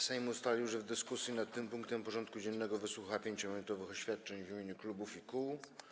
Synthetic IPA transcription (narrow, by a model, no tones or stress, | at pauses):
sɛjmust̪alʲiwʐɛvd̪ɘskusʲjinat̪t̪ːɘmpuŋkt̪ɛmpɔʐɔnt̪̚kud͡ʑɛnːɛɡɔvɘswuxapʲjeɲt͡ɕɔmɔmʲɛnt̪ɔvɘxɔɕfʲjat̪̚t͡ʂɛɲvmʲeɲuklubufikuw